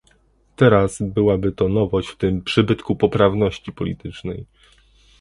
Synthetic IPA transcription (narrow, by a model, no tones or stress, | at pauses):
t̪ɛɾasbɘwabɘt̪ɔnɔvɔɕt͡ɕft̪ɘmpʂɘbɘt̪kupɔpɾavn̪ɔɕt͡ɕipɔlʲḭt̪ɘt͡ʂnɛj